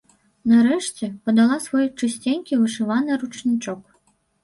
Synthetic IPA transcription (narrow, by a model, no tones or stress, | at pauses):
naɾɛʂt͡sʲɛpɐd̪alˠasvɔjt͡ʂɨsʲt͡sʲenʲkʲivɨʂɨvanɨɾut͡ʂnʲit͡ʂɔk